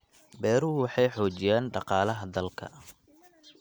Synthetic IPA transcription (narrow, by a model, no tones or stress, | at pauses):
bɛːɾuːwɑħɑjħɔːt͡ʃɪjaːnɖɑqɑːlɐɦɐd̪ɐlkʰɐ̰